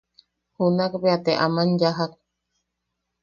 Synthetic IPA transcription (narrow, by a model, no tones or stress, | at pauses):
hunakbeat̪eʔamand͡ʒaɦak̚